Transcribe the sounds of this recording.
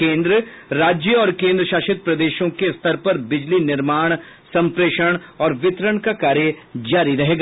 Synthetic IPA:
kẽːnd̪ɾəɾaːd͡ʒjəɔːɾkẽːnd̪ɾəʃaːʃɪt̪̚pɾɐd̪eːʃõkest̪ʰəɾpɐɾbɪd͡ʒlinɪɾmaːɽ̃ | sɐ̃mpɾeːʃəɽ̃ɔːɾʋɪt̪ɾəɳ̃kakaːɾjəd͡ʒaːɾiɾɐɦeːɡaː

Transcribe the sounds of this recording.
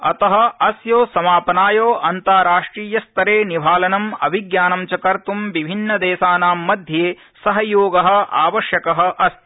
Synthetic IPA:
ɐ̰t̪ɐɦɐ̆ɐsjoːsɐmaːpɐnaːjoːʔɐnt̪aːɾaːʂʈɾiːjɐst̪ɐɾeːnibʱaːlɐnɐmɐ̰biɡjaːnɐmt͡ʃɐkɐɾt̪umʋibʱinːɐd̪ɛːʃaːnaːmːɐd̪ʱjeː | sɐɦɐjoːɡɐɦɐ̆a̰ːʋɐʃjɐkɐɦɐ̆ʔɐs

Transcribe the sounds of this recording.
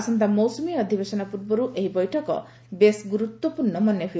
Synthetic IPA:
sɔnt̪amɔwsɔmiɔd̪ʱibesɔnapuɾbɔɾuʔeɦibɔjʈʰɔkɔ̰ | besɡuɾut̪wɔpuɾnɔmɔnjɔɦuj

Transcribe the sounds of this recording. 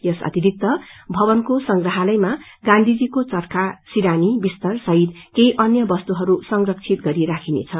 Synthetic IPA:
jʌsʌ̰t̪iɾʱik̚t̪ʌbʱʌbʌnkosʌŋɡrʌɦalʌjma | ɡãnd̪ʱid͡zikot͡sʌrkasiɾanibist̪ʌrsʌɦit̪kejʔʌnjʌbʌst̪uɦʌɾusʌŋrʌk̚t͡sʰit̪̚ɡʌɾiɾakʰinḛt͡sʰʌ

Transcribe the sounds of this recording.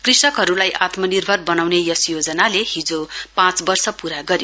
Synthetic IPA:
krisʌkɦʌɾulajʔat̪mʌnirbʱʌrbʌnawnejʌsjod͡zʌnalehid͡zopãt͡sbʌrsʌpuɾaɡʌɾjo

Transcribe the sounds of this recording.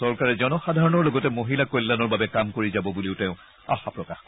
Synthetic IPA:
ɔɹkaɹɛzɔnɔxadʱaɹɔnɔɹlɔɡɔtɛmoɦilakojlːanɔɹbabɛkamkoɹizabɔbuliʊtɛʊ̃ | a̰xapɹɔkax

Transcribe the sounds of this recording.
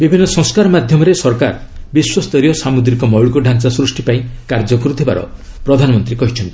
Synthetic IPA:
bibʱinːɔsɔ̃ŋskaɾɔmad̪ʱjɔmɔɾesɔɾka̰ɾbiswɔst̪ɔɾijɔsamud̪ɾikɔmɔwɭkɔɖʱansasɾusʈipaĩkaɾd͡ʒɔkuɾut̪ʰiba̰ɾɔ̰ | pɾɔd̪ʱanɔmɔnt̪ɾikɔɦit͡ʃʰɔnt̪i̥

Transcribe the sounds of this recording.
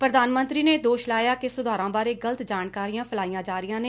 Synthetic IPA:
pɾəd̪aːnmə̃nt̪ɾiːneːd̪oːʃlaːjaːkɪsʊd̪ʱaːɾãːbaːɾeːɡələt̪d͡ʒaːnkaːɾijãːpʰəlaːijãːd͡ʒaːɾɪjãːneː

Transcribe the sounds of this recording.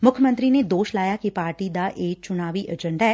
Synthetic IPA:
mʊkʰjəmə̃nt̪ɾined̪oːʃlaːjakipaːɾʈid̪aːʔeːk̚t͡ʃʊnaːʋiʔəd͡ʒə̃ɳɖaɛ

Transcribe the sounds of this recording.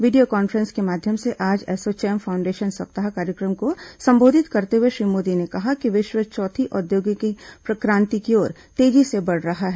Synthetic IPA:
ʋiːɖijokɔːnfəɾə̃nskemaːd̪ʱjəmseʔaːd͡ʒɛːsot͡ʃɛːmfʰaːʊ̃ɳɖeːʃənsɐp̚t̪aɦakaːɾjəkɾəmkosɐ̃mboːd̪ʱɪt̪kɐɾt̪eɦueʃɾiːmoːd̪inekɐɦakiʋɪʃwət͡ʃɔːt̪ʰiʔɔd̪joːɡjəkipɾɐkɾãːnt̪ikiɔːɾ | t̪eːd͡ʒisebɐɽɾɐɦaɦɛː

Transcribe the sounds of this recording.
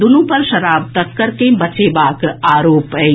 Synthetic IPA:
d̪ʊnũpɐɾʃɐɾaːb̚t̪ɐt̪̚kəɾkebɐt͡ʃeːbaːkaːɾoːpɛː

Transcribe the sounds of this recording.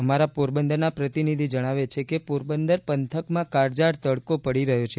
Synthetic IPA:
əmaɾapuɾbənd̪ənapɾət̪inid̪ʱid͡ʒəɽ̃aʋet͡ʃʰekepuɾbənd̪əɾpənt̪ʰəkmãkaɾd͡ʒaɾt̪əɭkopəɽiɾəɦjot͡ʃʰe

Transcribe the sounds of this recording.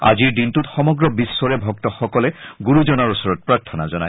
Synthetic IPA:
a̰ziɹdintutxɔmɔɡɹɔbisːɔɹɛbʱɔktɔxɔkɔlɛɡuɹuzɔnaɹusɔɹɔt̚pɹaɹtʰɔna̰zɔna̰j

